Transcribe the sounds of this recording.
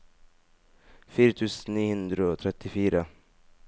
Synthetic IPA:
fiːɾat̪ʰʉːsənniːhɵnd̪ɾaɔt̪ʰɾɛt̪ːɪfiːɾa

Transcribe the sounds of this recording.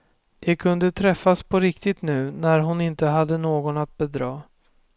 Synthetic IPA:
d̪̥ɛkʰɵnd̪ət̪ʰɾɛfːaspʰɔɾɪkt̪ɪt̪nʉ̟ːnæɾɦʊnɪnt̪əɦad̪ːənoːɡɔnat̪̚bɛd̪ɾɑː

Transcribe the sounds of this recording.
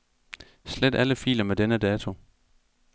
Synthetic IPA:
sled̥æləfḭːlɐmed̥enəd̥ɛːt͡sʰo̝

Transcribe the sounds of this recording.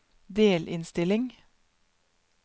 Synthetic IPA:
d̪eːlʔɪnst̪ɪlɪŋ

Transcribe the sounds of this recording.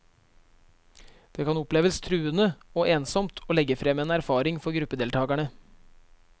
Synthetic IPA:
d̪̥eːkɑnʊpleːʋəst̪ʰɾʉːənəoːʔeːnsɔmt̪ʰoːlɛɡəfɾɛmeːnæɾfɑːɾɪŋfɔɾɡɾʉpːəd̪eːlt̪ʰɑːɡæɳə

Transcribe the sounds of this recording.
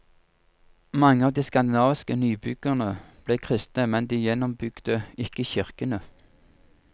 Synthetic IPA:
mɑŋːəɑːʋd̪iːskɑnd̪ɪnɑːʋɪskənyːbʏɡ̥əʁnəb̥leːkʰʁɪst̪nəmɛnd̪iːjɛnɔmbʏɡ̥d̪əɪkəçɪʁkənə

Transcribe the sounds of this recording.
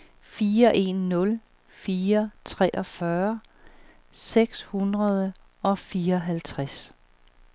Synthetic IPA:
fiːɐʔe̝nːɔ̽l | fiːɐt͡sʰʁɛ̰ːʔɒ̽fɶɐ | seɡ̥shunʁɐð̞ˠə | ɒ̽fiːɐɦælt͡sʰʁas

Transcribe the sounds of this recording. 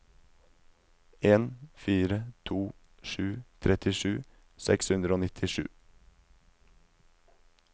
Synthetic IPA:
ʔeːnfiːɾət̪ʰuː | ʃʉːt̪ʰɾʔɛt̪ʰɪʃʉː | sɛ̰kshʉnd̪ɾəoːnɪt̪ʰɪʃʉ̰ː

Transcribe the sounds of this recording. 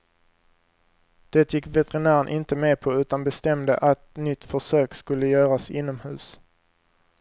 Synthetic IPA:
d̪̥ɛːt̪ʰjɪkːvɛt̪ɛɾɪnæːɾənʔɪnt̪əmeːpʰɔʉ̟ːt̪anbɛst̪ɛmd̪ə̰ʔat̪nʏt̪ːfœʂøːkskɵlːəjœːɾasɪnːɔmhʉ̟ːs

